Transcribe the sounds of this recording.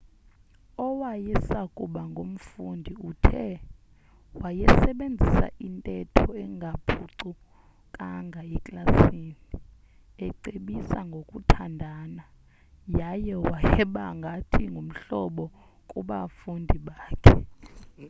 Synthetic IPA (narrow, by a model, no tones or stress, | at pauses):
ɔwajɛsakʼuɓaŋɡʱom̩fundʱiutʰɛ | wajɛsɛɓend͡zʱisa̰ʔintʼɛtʰɔɛŋɡʱapʰuǀu | kʼaŋɡʱaɛkʼlasini | ɛǀeɓisa̰ŋɡʱokʼutʰandʱaːna | jajɛwajɛɓaŋɡʱatʰiŋɡʱum̩ɬɔɓɔ | kʼuɓafundʱiɓaːkʰɛ